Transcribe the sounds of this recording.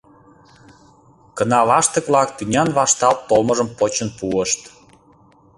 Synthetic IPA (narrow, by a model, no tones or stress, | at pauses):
kə̆nɑlɑʃt̪ə̆klɑkt̪ynʲɑnβɑʃt̪ɑlt̪ːolmə̆ʒə̆mpot͡ɕənpuəʃt̪